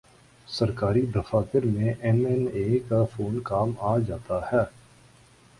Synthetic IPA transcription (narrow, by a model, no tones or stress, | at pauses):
sɐɾkaːɾid̪ɐfaːt̪ɪɾmẽʔɛnɛneːkafoːnkaːmaːd͡ʒaːt̪ahɛː